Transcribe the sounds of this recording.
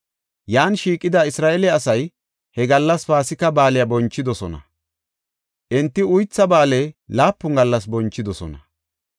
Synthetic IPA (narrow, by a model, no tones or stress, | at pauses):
jaːnʃiːkʼːɪd̪ɐɪsɾaːʔɛlɪɐsɐj | hɛɡɐlːɐsfaːsɪkːɐbaːlɪjɐbɔnt͡ʃːɪd̪ɔsɔnɐ̰ | ʔɛnt̪ːɪʊjt͡sːɐbaːlejlaːpːʊŋɡɐlːɐs̬bɔnt͡ʃːɪd̪ɔsɔ̰nɐ̰